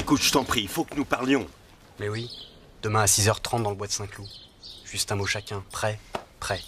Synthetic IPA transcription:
ekut̪ʒ̥ə̥t̪ɑ̃pχiilfokənupaʁljɔ̃ | mɛwi | d̪̥əmɛ̃asizœʁt̪χɑ̃t̪̚d̪ɑ̃ləbwad̪əsɛ̃klu | ʒ̥yst̪ɛ̃moʃakʲɛ̃pχɛpχɛ

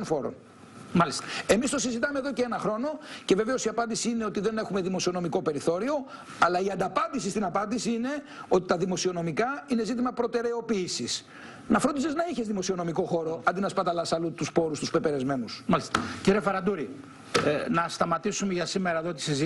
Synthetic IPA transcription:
nfo̞ɾo̰n | mɐliste̞mist̪o̞sizit̪ɐmeðo̞ceenɐxɾo̞no̞ce̞ve̞ve̞o̞siɐpɐnd̪isiine̞o̞t̪iðe̞ne̞xume̞ðimo̞siono̞miko̞pe̞ɾiθo̞ɾio̞ | ɐlɐiɐnd̪ɐpɐnd̪isist̪inɐpɐnd̪isiine̞ | o̞t̪it̪ɐðimo̞sio̞no̞mikɐine̞zit̪imɐpɾo̞t̪e̞ɾe̞o̞piːsis | nɐfɾod̪iseznɐiçe̞zðimo̞sio̞no̞miko̞xo̞ɾo̞ɐnd̪inɐspɐt̪ɐlɐsɐlut̪uspo̞ɾust̪uspe̞peɾe̞zme̞nusmɐlist̪ɐciɾiefɐɾɐnd̪uɾi | nɐst̪ɐmɐt̪isumeʝɐsimeɾɐeðot̪i̥siz

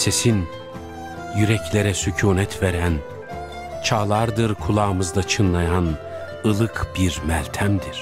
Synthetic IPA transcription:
se̞sin | jyɾɛclʲeɾɛsycʰuːnɛt̪ʰveɾæn | t͡ʃʰaːlˠaɾd̪ɯɾkʰulˠaːmɯzd̪ˠat͡ʃʰɯnlˠajan | ɯlˠɯkʰb̥iɾmælʲt̪ʰæmd̪iɾ̥

